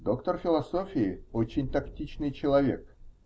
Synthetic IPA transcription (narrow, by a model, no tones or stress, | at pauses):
d̪o̞kt̪ərfʲɪlˠɐsofʲɪɪot͡ɕɪnʲt̪ɐktʲit͡ɕnɨjt͡ɕɪlˠɐvʲek